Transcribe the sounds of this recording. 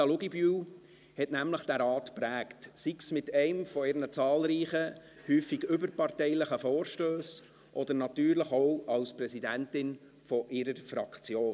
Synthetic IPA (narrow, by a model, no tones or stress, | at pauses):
ɑlʊɡiby | hɛtnæmləχd̥æɾɑːtpɾæːktsiksmɪtɛɪmfɔɪɾnət͡sɑːlɾiːχə | hyːfiɡʏbəɾpɑrtɛɪləχəfɔːɾʃtøːs | ʔɔd̪əɾnɑtyːɾləχɔwʔɑwspɾɛsidæntɪn | fɔʔɪɾəɾfɾɑkt͡sjoː